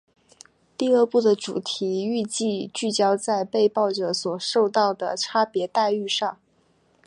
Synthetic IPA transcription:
t̪i˥˧ə˥˧pu˥˩d̪ə˩ʈ͡ʂṵ˨˩t̪ʰi˧˥y˥˧t͡ɕi˥˧t͡ɕy˥˩t͡ɕjɑ˥ʊt͡sa˥˧ɪpe˥˧ɪpɑ˥˩ʊʈ͡ʂɤ˨˩˥swɔ˨˩ʂo˥˧ʊt̪ɑ˥˩ʊd̪ə˩ʈ͡ʂʰa˥pjɛ˧˥t̪a˥˧ɪy˥˧ʂɑ˥˩ŋ

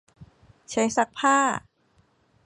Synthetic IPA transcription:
t͡ɕʰa˧˦˥jsa˧˦k̚pʰaː˥˩

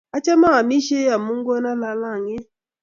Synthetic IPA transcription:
a˦t͡ʃɛ˦ma˦a˨mi˦ʃe˦ja˨mu˦ŋ˦ɡɔ˦na˦la˦la˦˨ŋɪ˦

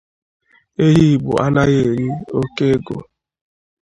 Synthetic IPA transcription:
e˦ɦi˦˨ɡ͡bʊ̰˨ʔa̰˦la˦ɣe˨ɾi˦o˦ke˦ɡo̰˨

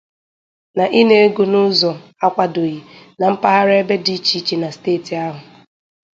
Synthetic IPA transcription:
na˨ʔi˦ne˦e˦ɡu˨nʊ˦zɔ˨a˦kʷa˨do˨ji˨na˨m̩˦pa˦ɦa˦ɾe˦be˦di˦t͡ʃi˨˦t͡ʃi˨na˨steː˦˨ti˨a˦ɦʊ˨

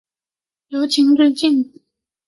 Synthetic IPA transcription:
jo˧˥ʊt͡ɕʰi˧˥ŋtwe˥˧t͡ɕi˥˩ŋ

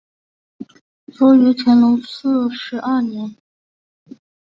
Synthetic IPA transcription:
t͡swɔ˧˥y˧˥t͡ɕʰɛ˧˥nlo˧˥sɹ̩˥˩ʂɻ̩˧˥ʔɐ˞˥˩njɛ˧˥n

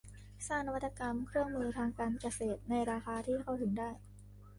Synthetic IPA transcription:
saː˥˩ŋna˧wa˦˥t̪ːa˧ka˧mkʰɾɯ˥˩əŋmɯː˧t̪ʰaː˧ŋkaː˧nka˧seː˨˩t̪̚na˧jɾaː˧xaː˧t̪ʰiː˥˩kʰa˥˩wt̪ʰɯ˩˦ŋdaː˥˩j

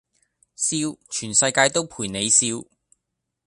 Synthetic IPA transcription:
siː˧˥wt͡ʃʰyː˨˩nsɐ˧jkaː˧jt̪o˥wpʰuː˨˩jne˨˧jsiː˥w

